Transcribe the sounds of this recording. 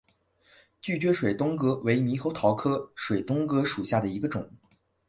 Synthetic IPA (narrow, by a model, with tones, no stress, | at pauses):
t͡ɕy˥˩t͡ɕɥɛ˧˥ʂwe˨˩ɪt̪ʊ˥ŋkɤ˥we˧˥ɪmi˧˥xo˧˥ʊt̪ʰɑ˧˥ʊkʰɤ˥ʂwe˨˩ɪt̪ʊ˥ŋkɤ˥ʂu˨˩ɕja˥˩d̪ə˩i˧˥ɡə˧ʈ͡ʂʊ̰˨˩˦ŋ